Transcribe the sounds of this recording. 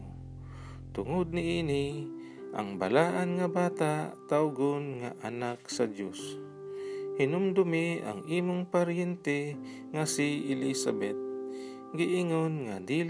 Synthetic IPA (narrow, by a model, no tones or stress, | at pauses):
t̪ʊŋod̪̚nɪʔiːni | ʔa̰ŋba̰laːʔanŋɐbaːt̪at̪awɡonŋa̰ʔanaksad̪jos | hɪnʊmd̪ʊmia̰ŋiːmʊŋpaɾjɛnt̪ɛ | ŋasiɪlisabɛt̪̚ | ɡɪʔɪŋonŋad̪iːl